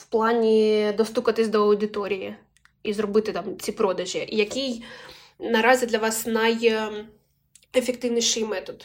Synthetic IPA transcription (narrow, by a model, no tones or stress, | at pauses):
wplˠɑnʲid̪ɔst̪ukɐt̪ɪsʲd̪ɔɐwd̪ɪt̪ɔɾʲiji | izɾɔbɪt̪ɪt̪ɑmt͡sʲipɾɔd̪ɐʒʲiʔijɐkʲij | nɐɾɑzʲid̪lʲɐʋɑsnɐj | efek̚t̪ɪʋnʲiʃɪjmɛt̪ɔd̪